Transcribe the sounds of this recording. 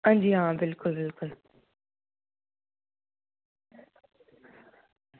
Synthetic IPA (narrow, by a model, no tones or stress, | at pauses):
ãnd͡ʑiːɦãːbɪlkʊlbɪlkʊl